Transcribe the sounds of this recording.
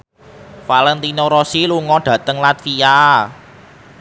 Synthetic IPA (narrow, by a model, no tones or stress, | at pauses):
falɛnt̪inoɾɔsiluŋɔɖ̥ä̤t̪əŋlat̪fia